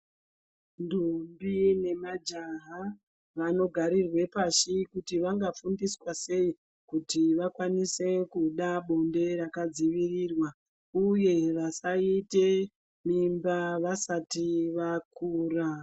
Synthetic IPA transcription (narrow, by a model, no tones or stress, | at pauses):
ndumbine̞mad͡ʒaɦa | ʋano̞ɡʱaɾirwe̞paʃikutiʋaŋɡafundiswase̞i | kutiʋakwanise̞kuɗaɓonde̞ɾakad͡ziʋirirwa | uje̞ʋasaite̞ | mimbaʋasatiʋakuːra